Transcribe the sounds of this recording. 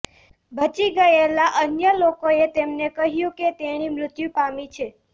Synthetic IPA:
bʱət͡ʃiɡəelaʔənjəlokoet̪emnekəɦjũket̪eñimɾʊt̪jũpamit͡ʃʰe

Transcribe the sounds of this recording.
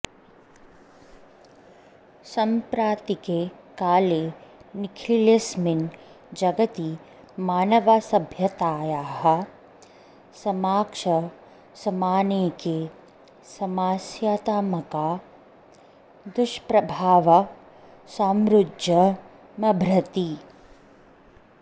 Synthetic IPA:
sɐmpɾaːt̪ikekaːleːnikʰlilesmin | d͡ʒɐɡɐt̪i | maːnɐʋaːsɐbʱjɐt̪aːjaːɦɐ̆ | sɐmaːkʂɐ | sɐmaːneːke | sɐmaːsjaːt̪aːmɐkaː | d̪ʊʃpɾɐbʱaːʋɐ | saːmɾudjɐ | mɐbʱɾɐt̪i

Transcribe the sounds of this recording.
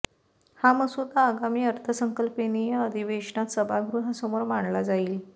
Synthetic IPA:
haməsut̪aəɡamiːəɾt̪ʰəsəŋkəlpenijaəd̪ʱiʋeʂɳat̪səbʱaɡɾuɦasəmoɾmaɳlad͡zaiːl

